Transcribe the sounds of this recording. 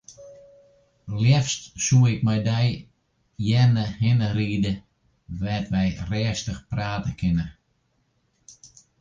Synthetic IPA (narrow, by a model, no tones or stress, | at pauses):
ljɛfstsuɪk̚mɛjdɛj | jɛnəhɪnəriːdə | ʋɛtʋɛjrɛːəstəxpraːtəkʰɪnə